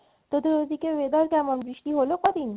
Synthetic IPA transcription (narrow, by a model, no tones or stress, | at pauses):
t̪od̪oɾozikeʋed̪ɔɾkæmɔnbɾiʃt̪iɦolokɔd̪in